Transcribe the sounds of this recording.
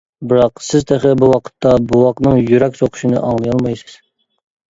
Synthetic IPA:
bɨɾɑqsɪzt̪ʰeχɛbuwɑqʰə̥t̪ʰːɑbuwɑqnɨŋjyɾɛkʲsoqʰʊ̥ʃinɨ̰ʔɑŋlˠɨjɑlˠmɑjsɨ̥z̥

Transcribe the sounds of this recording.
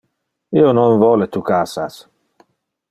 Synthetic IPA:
iːonoɱvɔlet̪ukaːsas

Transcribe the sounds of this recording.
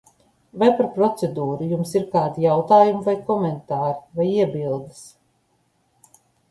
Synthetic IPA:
vajpaɾpɾɔt̪sɛd̪uːɾujumsiɾkaːd̪ijawt̪aːjumvajkɔmɛnt̪aːɾivajiɛbilˠd̪ɨs

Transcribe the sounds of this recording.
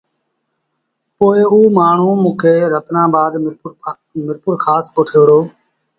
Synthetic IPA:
poːeuːmaːɳ̤ũːmũːkʰeːɾət̪nãːbaːd̪ | mɪɾpʊɾkʰaːskoːʈʰeːɽoː

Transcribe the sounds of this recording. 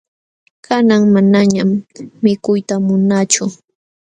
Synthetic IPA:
kanaŋmanaɲamːɪkʊjt̪amʊnat͡ʃʊ

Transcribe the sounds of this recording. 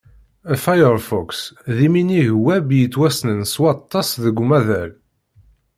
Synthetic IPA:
fajəɾfɔksðiminiʝwæbjət͡sːwæsnənswɑt̪ˤːɑsðəɡʷːmæðæl

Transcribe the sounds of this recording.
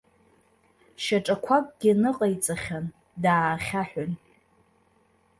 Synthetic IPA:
ʃaʈ͡ʂʼakʷʰakʷʼɡʲinɨqʼajt͡sʼaχʲan | daːχʲaħʷᶣan

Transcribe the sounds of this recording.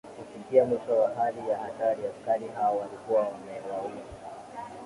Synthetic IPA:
kufikiamwiʃɔwaɦalijaːtaɾiaskaɾiɦaɔwalikuwawamɛwaua

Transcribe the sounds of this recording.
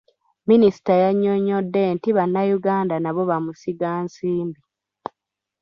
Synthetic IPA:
minisi̥tajaɲːoɲːodːe̞ntiβanːajuɡaːndanaβo̞βamusiɡaːnsiːmbi

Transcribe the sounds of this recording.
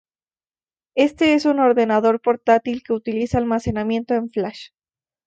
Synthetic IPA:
e̞st̪e̞e̞suno̞ɾðe̞naðo̞ɾpo̞ɾt̪at̪ilke̞ut̪ilisaːlmase̞namjẽ̞nt̪o̞e̞ɱflaʃ

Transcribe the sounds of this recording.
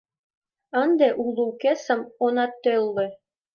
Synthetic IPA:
ɤ̆nd̪eʔulˠuwkesɤ̆monɑt̪ːølˠːĕ

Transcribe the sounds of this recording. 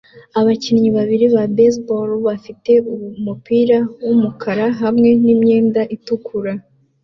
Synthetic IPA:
aβacinɲiβaβiɾiβabes̬bolβafite̞umupiːɾawumukʰaɾaɦamŋe̞nimɲe̞ːndaʔitukʰuɾa

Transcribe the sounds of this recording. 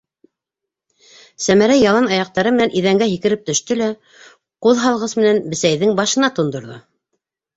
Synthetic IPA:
sæmæɾæjɑlˠɑnɑjɑq̚t̪ɑɾɤmɘ̆nænʔiðæŋɡæɦikɘ̆ɾɘp̚t̪ɵ̆ʃt̪ɵlæ | quðɦɑlˠʁɤsmɘ̆nænbɘ̆sæjðɘŋbɑʃɤ̆nɑt̪ŏnd̪ŏɾðɤ̰

